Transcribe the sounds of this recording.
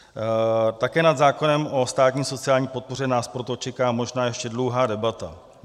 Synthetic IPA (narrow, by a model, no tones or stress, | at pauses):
t̪akɛːnad̪zaːko̞nɛmo̞st̪aːt̪ɲiːso̞t͡sɪaːlɲiːpo̞t̪̚po̞rɛnaːspɾo̞t̪ot͡ʃɛkaːmo̞ʒnaːjɛʃcɛdlowɦaːdɛbat̪a